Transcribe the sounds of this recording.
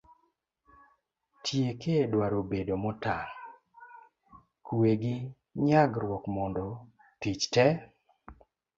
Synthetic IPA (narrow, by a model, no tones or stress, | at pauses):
tʰjekedwaɾobedomɔta | kueɡɪ | ɲaɡɾwɔkmɔndɔ | tit͡ʃtɛ